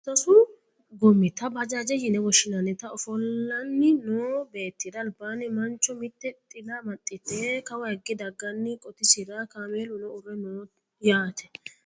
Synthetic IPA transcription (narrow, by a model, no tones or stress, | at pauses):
t̪ɔsʊ | ɡɔmːɪt̪ɐbɐd͡ʒad͡ʒɛjɪnɛwɔʃɪnɐnɪt̪ɐɔfɔlːɐnːɪnoːbe̞ːt̪ːɪd̪ɐːlbaːnɛmɐnt͡ʃːɔmɪt̪ːɛt̪ʼɪlamɐt̪ʼːɪt̪ːekɐwɐhɛɡːɪd̪ɐɡːɐnːɪkʼɔt̪ɪsɪɾakameːlʊnɔʊrːɛnoː | jaːt̪ʰɛ̥